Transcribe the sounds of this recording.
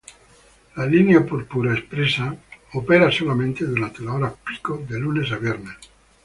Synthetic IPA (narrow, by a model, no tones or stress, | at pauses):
lalineapoɾpuɾaespɾesaopeɾasolamẽnt̪ed̪uɾant̪elaoɾapi̥kod̪elunesaβjɛɾnes